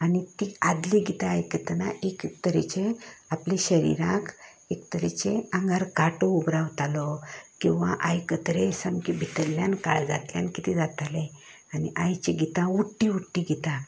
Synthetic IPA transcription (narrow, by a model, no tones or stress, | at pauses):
anit̪iad̪liɡit̪aːjkət̪naʔekt̪əɾet͡ɕeapliɕəɾḭɾãk | ekt̪əɾet͡ɕeãŋɡaɾkaʈoubɾawt̪alɔkĩw̃ʋa̰ʔajkət̪ɾesəmkibʱit̪əɾlːjanka̰ɭd͡za̰t̪ljankit̪ʰid͡zat̪alẽ | aniʔajt͡ɕeɡit̪ãuʈːiuʈːiɡit̪ã